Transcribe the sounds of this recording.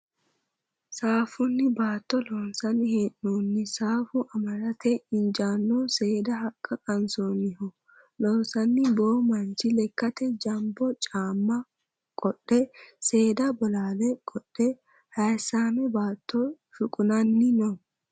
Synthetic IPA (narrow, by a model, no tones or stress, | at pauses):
saːfʊnːɪbaːt̪ːɔloːnsɐnɪheʔnoːnːɪsaːfʊʔɐmɐɾɐt̪ɛɪnd͡ʒaːnːoːse̞ːd̪ɐhɐkʼːɐkʼɐnsoːnɪhɔ | lɔːnsɐnːɪboːmɐnt͡ʃɪlɛkːɐt̪ɛd͡ʒɐmbɔt͡ʃʼaːmːɐ | kʼɔɗːɛse̞ːd̪abɔlaːlɛkʼɔɗːɛ | hɐjsaːmɛbaːt̪ːo | fʊkʼʊnɐnːɪnɔ